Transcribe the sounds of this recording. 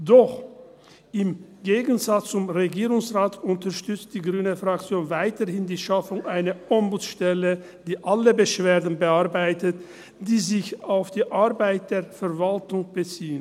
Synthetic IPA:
d̥ɔχ | ʔɪmɡeːɡn̩zat͡st͡sʊmʁeɡiːʁʊŋsʁaːtʊntɐɐʃtʏt͡st̚d̥iːɡʁyːnəfʁakt͡sjoːnvaɪtəhɪndiːʃafʊŋʔaɪnɐʔɔmbʊt͡sʃtɛlə | d̥iːʔaləbəʃv̥eːɐdn̩bəaɐbaɪtət | d̥iːzɪçaʊfd̥iːʔaɐbaɪt̚d̥eːɐfɛɐvaltʊŋb̥ət͡siːən

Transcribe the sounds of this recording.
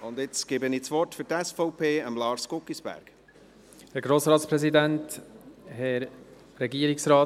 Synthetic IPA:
ʊnd̪ɪt͡sɡ̥eːbəniːt͡sʋɔrtfyɾtɛsfɔʊpʰeːəmlɑːɾskʊkisb̥æ̰ɾɡ̥ | hæɾɡɾoːsɾɑːtspɾɛzid̪ænthɛɾ | ɾɛɡiəɾiksɾɑː

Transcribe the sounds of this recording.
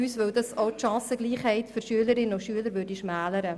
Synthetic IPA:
yːsʋœwdɑsoʊtʃɑ̃ːsəɡ̥liːχhɛɪt̪føɾʃyələɾɪnoʃyələɾʋøːɾdiʃmæːləɾə

